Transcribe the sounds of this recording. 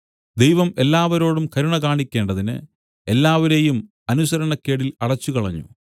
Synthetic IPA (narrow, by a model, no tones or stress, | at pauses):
d̪ejʋɐme̞lːaːʋɐɾo̞ːɽumkɐɾuɳɐkaːɳikʲːe̞ːɳɖɐðinɨ̰ | e̞lːaːʋɐɾe̞jum | ɐnusɐɾɐɳɐkːe̞ːɽilɐɽɐt͡ɕːukɐɭɐɲːṵ